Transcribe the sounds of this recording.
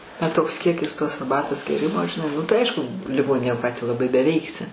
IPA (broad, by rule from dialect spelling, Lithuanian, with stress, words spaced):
bʲɛt ˈtoːks ˈkʲiɛkʲɪs toːs ɐrˈbɑːtoːs ɡʲeːˈrʲɪmoː ʒʲɪˈnɐɪ nʊ tɐɪ ˈɐɪʃkʊ lʲɪˈɡoːnʲɪnʲeːj oː ˈkɑː tʲæː lˠɐˈbɐɪ bʲɛˈʋʲɛɪksʲɪ